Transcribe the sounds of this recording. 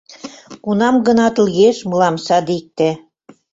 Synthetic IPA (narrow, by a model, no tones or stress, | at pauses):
kunɑmɣɤ̆nɑt̪ə̆lɣeʃmɤlɑmsɑd̪ik̚t̪æ